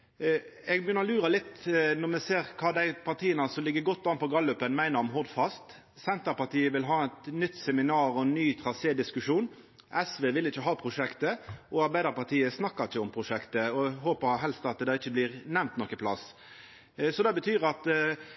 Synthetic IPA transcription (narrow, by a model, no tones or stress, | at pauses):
ɛɡbjʏnəɔlʉːɾəlɪt̪ːnɔmɛseːʁkʰɑːd̪æɪpʰɑʁt̪ʰiːənəsɔlɪɡːəɡɔt̪ːd̪ɑnpʰɔɡɑlːʉpːənmæɪnəʁɔmɦʊʁd̪fɑst̪ | sɛnt̪əpɑʁt̪iːəʋɪlɦɑːɛt̪nʏt̪ːsɛmɪnɑːɾɔɛnːyːt̪ʰɾɑseːd̪ɪskʉʂuːn | ʔɛsʋeːʋɪlːɪçːəɦɑːpʰʁʊʂɛkt̪əʔɔɑɾbæɪd̪əɾpɑt̪ʰiːəsnɑkːɑɪçːəɔmpʰʁʊʂɛkt̪əɔɦoːpəɦɛlst̪ɑt̪d̪ɛd̪ɑːɪt͡ʃːəbliːʁnɛmnt̪nɔkːəpʰlɑ̰s | sɔd̪ɛbət̪ʰyːɾɑt̪